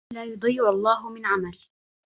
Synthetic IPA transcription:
laːjʊd̪ˤiːʔɑlˤːɑːɦʊmɪnʕamal

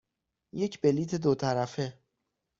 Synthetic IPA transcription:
je̞cʰbeliːt̪ʰed̪ot̪ʰæɾæfe

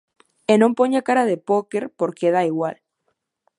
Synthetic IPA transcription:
enompoɲakaɾaðepokeɾpoɾkeðaiɣwal

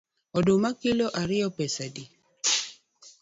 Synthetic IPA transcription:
ɔdʊmakɪloʔaɾɪɔpɛsadi

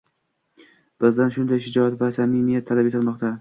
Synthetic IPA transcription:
b̥ɪzd̪anʃʊnd̪ajʃɪd͡ʒɒat̪vasamɪmijat̪ʰːalabe̞t̪ʰɪlˠmɒqt̪a

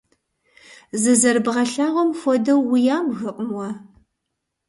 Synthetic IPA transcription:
zɨzɐrbʁɐɬaːʁʷɔmfʷɔdɐwːijaːmɣɨqʼəmwɐ

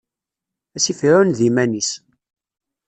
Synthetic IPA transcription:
æsifiɾunðimænis

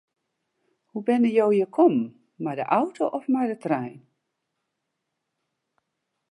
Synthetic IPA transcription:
hubɛnəjowjəkʰɔmː | adəʔawtʰoʔɔfmadətrɛjn

